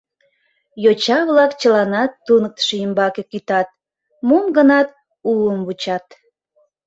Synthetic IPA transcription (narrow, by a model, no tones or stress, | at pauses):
jot͡ɕɑβlɑkt͡ɕəlɑnɑt̪ːunək̚t̪ə̥ʃejəmbɑkekyt̪ɑt̪̚ | momɡənɑt̪̚ | uəmβut͡ɕɑt̪